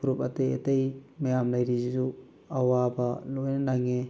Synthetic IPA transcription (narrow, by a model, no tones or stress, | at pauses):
uɾupɐtejḛtejmɐjamlajɾizizu | awabalojnɐnaŋe